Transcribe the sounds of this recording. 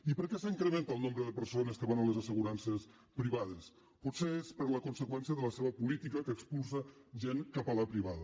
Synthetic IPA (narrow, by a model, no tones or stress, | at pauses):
ipəɾkɛsəiŋkɾəment̪əlˠnõmbɾəðəpəɾsonəskəβanələzəsəɣuɾansəs | pɾiβaðəs | put̪seespəɾləkunsəkwɛnsiəðələseβəpulit̪ikəkəːkspulˠsəʒeŋkapalapɾiβaðə